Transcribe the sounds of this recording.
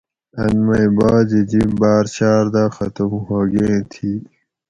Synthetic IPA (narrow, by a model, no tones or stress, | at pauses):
ɐnmɐibaːd͡ʑid͡ʑibaːɾt͡ɕaːɾd̪aːxɐt̪umhoːɡẽːt̪ʰiː